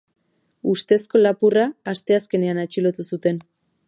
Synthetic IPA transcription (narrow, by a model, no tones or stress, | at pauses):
ust̪e̞sko̞lapuraːst̪e̞aske̞ne̞anat͡ʃilo̞t̪usut̪e̞n